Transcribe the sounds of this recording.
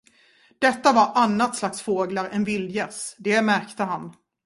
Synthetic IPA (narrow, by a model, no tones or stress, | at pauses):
d̪̥ɛt̪ːavaɾʔanːat̪slaksfoːɡlaɾɛnvɪld̪jɛsd̪ɛmæɾkt̪əɦan